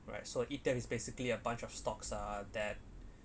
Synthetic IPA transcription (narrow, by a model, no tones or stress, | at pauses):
ɹa̰ɪt̚soʔitɛfisbesikliəbãnt͡ʃɔfstɔksadɛt̚